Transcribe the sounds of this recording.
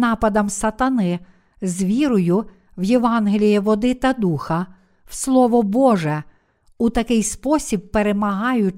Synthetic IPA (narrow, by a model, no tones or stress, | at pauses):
nɑpɐd̪ɐmsɐt̪ɐnɪ | zʋʲiɾʊjʊ | wjeʋɑnɦelʲijiʋɔd̪ɪt̪ɐd̪uxɐ | wslˠɔʋɔbɔʒɛ | ut̪ɐkɪjspɔsʲib̚peɾemɐɦɑjʊ